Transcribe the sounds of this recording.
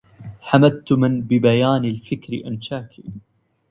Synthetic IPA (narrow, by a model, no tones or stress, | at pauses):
ħamad̪̚t̪ʊmɪnbɪbajaːnalfɪkɾɪ̰ʔanʃaːkʰḭː